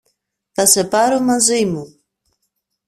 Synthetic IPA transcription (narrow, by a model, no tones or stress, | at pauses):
θasepaɾumazimu